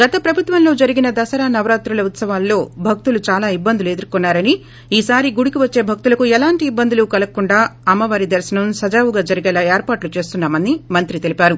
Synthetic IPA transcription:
ɡɐt̪ɐpɾɐbʱut̪ʋɐmlo̞ːd͡ʒɐɾiɡinɐd̪ɐsɐɾaːnɐʋɾaːt̪ɾulɐut̪sɐʋaːlːo̞ːbʱɐk̚t̪ulut͡ʃaːlaːibːɐnd̪ulue̞d̪uɾkɔnːaːɾɐni | iːsaːɾiɡuɽikiʋɐt͡ʃːe̞ːbʱɐk̚t̪ulɐkuɛlaːɳʈiːbːɐnd̪ulukɐlɐkːuɳɖaːɐmːɐʋaːɾid̪ɐɾsɐnɐmsɐd͡ʒaːʋuɡaːd͡ʒɐɾiɡɛːlaːeːɾpaːʈlut͡ʃe̞ːst̪unːaːmɐnːimɐnt̪ɾit̪e̞lipaːɾu

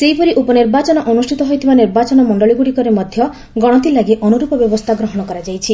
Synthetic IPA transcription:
seipɔɾiʔupɔniɾbat͡ʃɔnɔʔɔnusʈʰit̪ɔɦojt̪ʰibaniɾbat͡ʃɔnɔmɔɳɖɔɭiɡuɽikɔɾemɔd̪ʱjɔ | ɡɔɽ̃ɔt̪ilaɡeʔɔnuɾupɔbjɔbɔst̪ʰaɡɾɔɦɔɽ̃ɔkɔɾad͡ʒajt͡ʃʰi

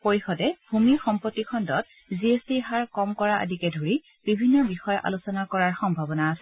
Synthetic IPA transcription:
poɹixɔdɛbʱumiɹxɔmpɔtːikʰɔndɔt̚ | ziestiɦaɹkɔmkɔɹaʔə̰dʱikɛdʱoɹi | b̥ibʱinːɔbixɔjɔʔa̰lusɔnakɔɹaɹxɔmbʱabɔnaːsɛ

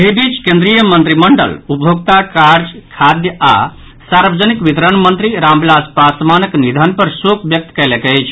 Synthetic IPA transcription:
eɦibit͡ʃkẽnd̪ɾijəmənt̪ɾiməɳɖə̰lupjoɡ̚t̪akaɾd͡ʒkʰad̪jəa̰ | saɾbəd͡ʒənikʋit̪ɾənmənt̪ɾiɾambilaspasmanəknid̪ʱənpəɾsokbjək̚t̪kɛlekət͡ʃʰ

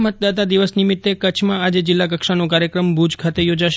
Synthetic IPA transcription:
mət̪̚d̪at̪̬ad̪iʋəsnimit̪ːekət͡ʃʰmãad͡ʒed͡ʒɪlːak̬əkʃanõkaɾjəkɾəmbʱud͡ʒkʰat̪ejod͡ʒaʃ

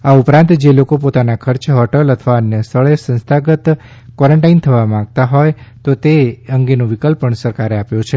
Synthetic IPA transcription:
aupɾãnt̪d͡ʒelokopot̪anakʰəɾt͡ʃɦɔʈələt̪ʰəʋaənjəst̪ʰəɭesə̃nst̪ʰaɡət̪ | kwɔɾəɳʈaint̪ʰəʋamãɡ̚t̪aɦojt̪ot̪eəŋɡenõʋɪkəlpəɳsəɾkaɾeapjõt͡ʃʰe

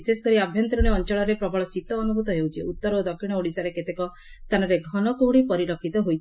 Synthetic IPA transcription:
sesɔkɔɾiabʱjɔnt̪ɾuɽeɔnt͡ʃɔɭɔɾepɾɔbʱɔɭɔsit̪ɔːnubut̪ɔɦewt͡ʃʰiut̪ːɔɾod̪ɔkʰʃiɽ̃ɔoɽisaɾeket̪ekɔ | st̪ʰanɔɾeɡʱɔnɔkuɦuɽipɔɾiɾɔkʰit̪ɔɦojt̪ʰ

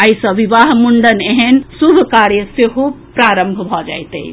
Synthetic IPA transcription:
aisə̃ʋiʋaɦmuɳɖəneɦensubʱkaɾjəseɦu | pɾaɾəmbʱbʱɔd͡ʒa̰jt̪ḛ

